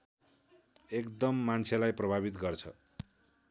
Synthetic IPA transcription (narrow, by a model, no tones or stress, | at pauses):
ekd̪ʌmːant͡sʰjelajprʌbʱabit̪ɡʌrt͡sʰʌ̰